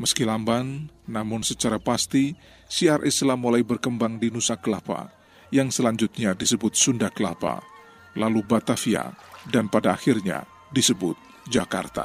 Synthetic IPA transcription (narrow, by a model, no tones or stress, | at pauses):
məskilambanːamʊnsət͡ʃaɾapast̪i | siarʔɛsəlamulajbərkəmbaŋdinusakəlapa̰ | jaŋsəlaɲd͡ʒʊt̪̚ɲadisəbʊt̪̚sundakəla̰pa̰ | lalubat̪afia̰ | danpadaːxɪrɲa̰ | disəbʊt̪̚ | d͡ʒaka̰rt̪a̰